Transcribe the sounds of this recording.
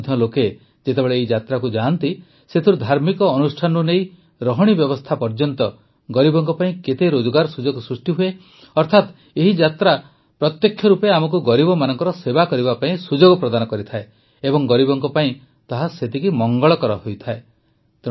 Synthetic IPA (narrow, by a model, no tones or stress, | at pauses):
d̪ʱjɔloke | d͡ʒet̪ebeɭeːid͡ʒat̪ɾakud͡ʒant̪i | set̪ʰiɾud̪ʱaɾmikɔːnusʈʰanunej | ɾɔɦɔɽ̃ibjɔbɔst̪ʰapɔɾd͡ʒɔnt̪ɔ | ɡɔɾibɔŋkɔpaĩket̪eɾod͡ʒɔɡaɾɔsud͡ʒɔɡɔsɾusʈiɦue | ɔɾt̪ʰat̪ | eɦid͡ʒat̪ɾa | pɾɔt̪jekʰːjɔɾupeamɔk̬uɡɔɾibɔmanɔŋkɔɾɔsebakɔɾibapaĩsud͡ʒoɡɔpɾɔd̪anɔkɔɾit̪ʰae | ebɔŋɡɔɾibɔŋkɔpaĩ | t̪aɦaset̪ikimɔŋɡɔɭɔkɔɾɔɦojt̪ʰae | t̪